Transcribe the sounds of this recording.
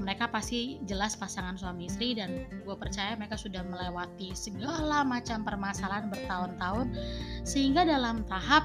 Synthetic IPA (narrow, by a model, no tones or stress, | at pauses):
məɾekapast̪id͡ʒəlaspasaŋansuamisɾidanɡuapərt͡ʃajaməɾekasudahməlewat̪isəɡalamat͡ʃampərmasalaanbərt̪aʊnt̪aʊnsəhiŋɡadalamt̪aɦap̚